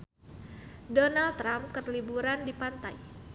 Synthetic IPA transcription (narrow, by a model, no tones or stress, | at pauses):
donalt̪ːɾamkərlibuɾandipant̪aj